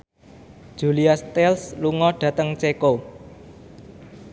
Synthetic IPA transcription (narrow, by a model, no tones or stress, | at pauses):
d̥ʒ̥ṳliast̪ɛlsluŋɔɖ̥ä̤t̪əŋt͡ʃeko